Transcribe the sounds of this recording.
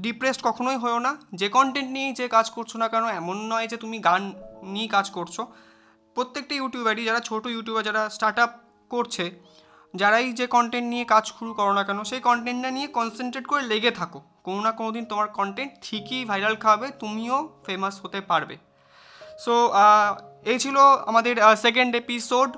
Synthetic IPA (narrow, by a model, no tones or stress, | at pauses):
ɖipɾesʈkɔkʰonojɦɔeonad͡ʑekɔɳʈeɳʈniejd͡ʑekad͡ʑkoɾt͡ɕʰonakɛnoɛmonːɔed͡ʑet̪umiɡanːiekad͡ʑkoɾt͡ɕʰo | pɾot̪ːek̚ʈajuʈijubɛɖid͡ʑaɾat͡ɕʰoʈojuʈjubed͡ʑaɽasʈaɾʈap̚ | koɾt͡ɕʰe | d͡ʑaɾajd͡ʑekɔɳʈeɳʈnijekad͡ʑʃuɾukɔɾonakɛnoʃejkɔɳʈeɳʈnaniekɔnseɳʈɾeɖkoɾeleɡet̪ʰako | kononakonod̪ʱint̪omaɾkɔɳʈeɳʈʈʰikibʱajɾalkʰabet̪umiofemasɦot̪epaɾbḛ | so | et͡ɕʰiloa̰mad̪eɾsek̬eɳɖepisoɖ